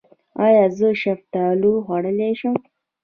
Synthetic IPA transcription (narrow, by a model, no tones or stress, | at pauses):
ɑjɑzəʃaft̪aluɣaɽəleʃəm